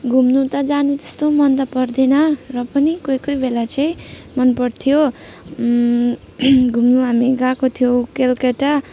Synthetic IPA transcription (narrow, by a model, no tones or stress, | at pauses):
ɡʱumnut̪ʌd͡zanut̪est̪omʌnd̪ʌpʌrd̪enʌrʌpʌnikojkʌjbelat͡sʌĩmʌnpʌɽt̪ʰijo | ɡʱumnuɦamiɡãkot̪ʰijokelkeʈʌ